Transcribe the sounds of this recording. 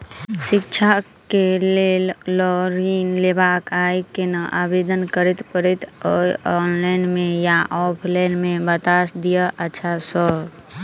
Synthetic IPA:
ʃɪkt͡ʃʰa | keleːllɔɾiːnlebaːkaːikenəʔaːbeːd̪ənkəɾɪt̪pəɾɪt̪ɔɔːnlaɪnmẽjaʔɔːpʰlaɪnmẽbət̪asd̪ijəʔəʃʰasɔ

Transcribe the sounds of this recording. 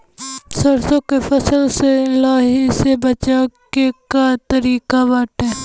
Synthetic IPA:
səɾsõkepʰəsəlseɪlaːɦisebət͡ʃaːkekat̪əɾiːkabaːʈɛː

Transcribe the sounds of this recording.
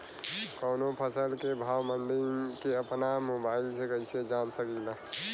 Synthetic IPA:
kəʊnopʰəsəlkebʱawməɳɖiŋkeəpnamobailsekəɪsed͡ʒansəkila

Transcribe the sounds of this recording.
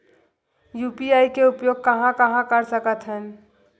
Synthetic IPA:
jupiaːikeʊpjoɡ̚kəɦãkəɦãkəɾsəkət̪ɦən

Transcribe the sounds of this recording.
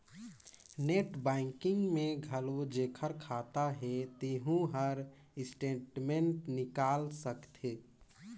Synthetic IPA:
neʈbɛɪŋkɪŋɡmẽɡʱəlod͡ʒeːkʰəɾkʰat̪aɦɛt̪eɦũɦəɾ | ɪsʈeʈmeɳʈnɪkaːlsəkt̪ʰe

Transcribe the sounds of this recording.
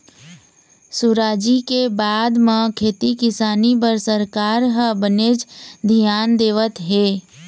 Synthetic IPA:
suɾaːd͡ʒikebaːd̪mə̃kʰeːt̪ikɪsaːnipəɾsəɾkaːɾɦəbəneːd͡ʒd̪ʱijaːnd̪eːʋət̪ɦeː

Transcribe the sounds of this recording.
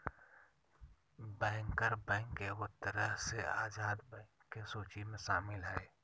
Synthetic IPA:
bɛ̃ːŋkəɾbɛ̃ːŋkeʊt̪əɾəɦsea̰ːzaːd̪bɛ̃ːkːesoːt͡ʃimẽʃaːmɪlɦɛː

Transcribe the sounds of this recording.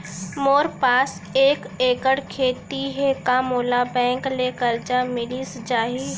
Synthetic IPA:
moːɾpaːs | eːk | eːkəɽkʰeːt̪iɦɛkamoːlabɛ̃ːŋklekəɾd͡ʒamɪlisd͡ʒaːɦi

